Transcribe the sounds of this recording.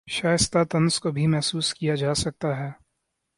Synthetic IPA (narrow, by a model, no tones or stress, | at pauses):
ʃaːjəst̪at̪ɐ̃nskobʱimɛɦsuːskijad͡ʒaːsɐk̚t̪aɦɛː